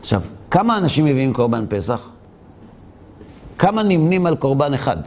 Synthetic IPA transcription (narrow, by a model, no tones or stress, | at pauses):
aχʃa̰vkamaːnaʃimːeviimko̞ʁbanpe̞saχ | kamanimnimalko̞ʁbaneχa̰d